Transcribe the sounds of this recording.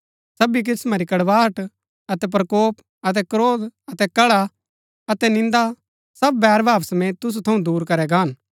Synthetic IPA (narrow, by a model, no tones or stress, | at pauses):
sɐbik̬ɪsmaɾikɐɽʋaːɦəʈ | ɐt̪ɛp̬ɾɐkoːp | ɐt̪̬ɛkɾoːd̪ɐt̪ɛkɐɭa | ɐt̪ɛnɪ̃nd̪a | sɐbːɛːɾbʱaːpsmɛ̃ːt̪ʊs̬ut̪ʰɐũd̪uːɾkɐɾɛɡaːn